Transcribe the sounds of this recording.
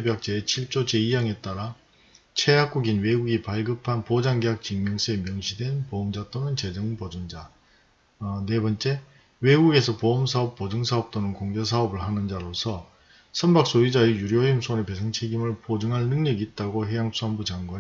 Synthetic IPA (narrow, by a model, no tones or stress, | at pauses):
ebjak̚t͡ɕ͈eet͡ɕʰiɭt͡ɕ͈ot͡ɕe̞ijaŋe̞t͈aɾa | t͡ɕʰejak̚k͈uɡinwe̞ɡuɡipaɭɡɯpʰanpod͡ʑaŋɡeak̚t͡ɕiŋːʌŋsʰeemjʌŋɕʰidwenpoːmd͡ʑat͈onɯnt͡ɕe̞d͡ʑɯŋpʌd͡ʑund͡ʑa | ne̞bʌnt͡ɕ͈e̞ | we̞ɡuɡe̞sʰʌpoːmsʰaʌp̚p͈od͡ʑɯŋsʰaʌp̚t͈onɯnkoŋd͡ʑesʰaʌbɯɭhanɯnd͡ʑaɾosʰʌ | sʰʌnbak̚s͈oid͡ʑaejuɾjʌimsʰonepe̞sʰʌŋt͡ɕʰe̞ɡimɯɭpod͡ʑɯŋɦannɯŋɲʌɡiːt̚t͈aɡoɦejaŋsʰuambud͡ʑaŋɡwan